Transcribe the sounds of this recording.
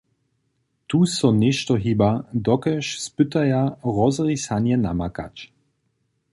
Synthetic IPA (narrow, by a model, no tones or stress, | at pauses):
t̪uːsɔneʃtɔɦibadɔkɛʃspʏt̪ajaʁɔzʁisanjɛna̰maka̰t͡ʃ